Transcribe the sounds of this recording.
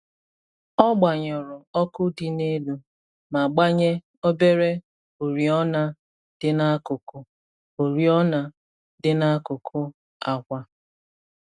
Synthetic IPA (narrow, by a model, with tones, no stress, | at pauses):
ɔ˦ɡ͡ba˨ɲɔ˨ɾʊ˨ɔ˦kʊ˦di˦ne˦lu˨ | ma˨ɡ͡ba˦ɲe˦ | o˦be˦ɾe˦ | o˨ɾi˨ɔ˦na˦ | dɪ˦na˦a˦kʊ˨kʊ˨ | o˨ɾi˦ɔ˦na˦ | dɪ˦na˦kʊ˨kʰʊ˦ | a˨kʷa˦